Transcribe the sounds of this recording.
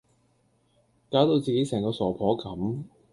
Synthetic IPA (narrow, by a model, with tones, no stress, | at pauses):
kaː˨˥wt̪o˧wt͡siː˨ke˨˧˥jsɛː˨˩ŋkɔː˧sɔː˨˩pʰɔː˨˥kɐ˨˥m